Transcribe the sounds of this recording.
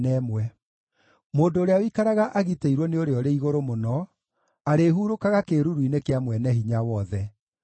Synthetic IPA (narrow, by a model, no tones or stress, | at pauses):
nɛmwɛ | moːndoːɾeawikaɾaɣaʔaɣiteiɾwɔneoɾeɔɾeiɣoɾomonɔ | aɾeɦuɾokaɣakeɾuɾwinekeamwɛnɛɦiɲawɔðɛ